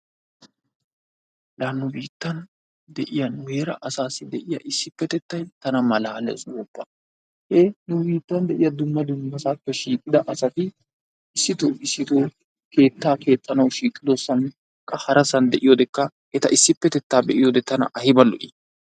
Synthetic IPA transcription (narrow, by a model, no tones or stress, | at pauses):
lanːʊbiːt̪ːɐn | d̪ɛʔɪjɐnweːɾɐʔɐsaːsɪd̪ɛʔɪjɐ̰ʔɪsːɪpːɛt̪ɛt̪ːɐjt̪ɐnɐmɐlaːlɛ̰swɔbːɐ | hɛnʊbiːt̪ːɐnd̪ɛʔɪjɐd̪ʊmːɐd̪ʊmːɐsaːpːɛʃiːkʼːɪd̪ɐʔɐsɐt̪ɪ | ɪsːɪt̪oːɪsːɪt̪oː | ke̞ːt̪ːaːke̞ːt̪ʼːɐnɐwʃiːkʼːɪd̪ɔsːɐn | kʼːɐhɐɾɐsɐnd̪ɛʔɪjoːd̪ɛkːɐ | ɛt̪ɐ̰ʔɪsːɪpːɛt̪ɛt̪ːaːbɛʔɪjoːd̪ɛt̪ɐnɐ̰ʔɐhɪbɐlːɔ̰ʔi